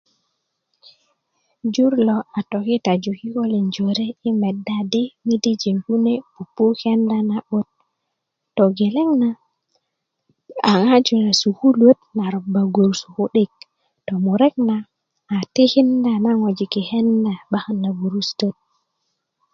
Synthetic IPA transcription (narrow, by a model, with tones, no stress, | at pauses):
d͡ʒu˦ɾlo˨ʔa˨to˨ki˦ta˨d͡ʒu˨ki˦ko˦li˨nd͡ʒo˨ɾe˦i˦me˨dːa˦di˦mi˦di˦d͡ʒi˨ŋku˦ne˦pu˨pːu˦ke˦nda˦na˨ɓo˦t̚ː | o˨ɡe˨le˦ŋna˨ | a˨ŋa˦d͡ʒu˨na˨su˨hu˦lwo˦tna˨ɾo˨bːa˨ɡu˨ɾsu˨hu˦ɗe˦k̚ | to˨mu˨ɾe˦k̚naː˨ | te˦hi˦nda˨na˦ŋo˨d͡ʒi˨ki˨he˦nda˨ba˦xa˦nːa˨ɡu˨ɾu˦sto˦t̚